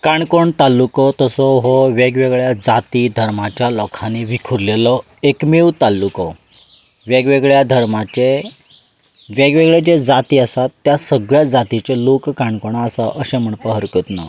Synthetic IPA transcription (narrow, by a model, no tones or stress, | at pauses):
kaɳkoɳt̪alːukɔt̪əsɔɦɔʋeɡʋeɡɭjad͡zat̪id̪ʱəɾmat͡ɕjalɔkʰaniʋikʰuɾlelɔ | ekmewt̪alːukɔ | ʋeɡʋeɡɭjad̪ʱəɾmat͡ɕe | ʋeɡʋeɡɭed͡ʑed͡zat̪iːəsat̪ːjasəɡɭjad͡zat̪it͡ɕelokːaɳkoɳ̃aːsaʔəsẽm̤əɳpəɦəɾkət̪na̰